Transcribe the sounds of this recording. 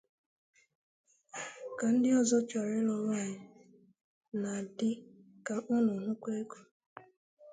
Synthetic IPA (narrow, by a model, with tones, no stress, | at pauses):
ka˨n̩˦dɪ˦ɔ˦zɔ˦t͡ʃa˨ɾɪ˦lɔ˦wa˦˨ɲɪ˨ | na˨dɪ˦ | ka˨ʔʊ˦nʊ˨nʊ˦kʷe˦ku̥˨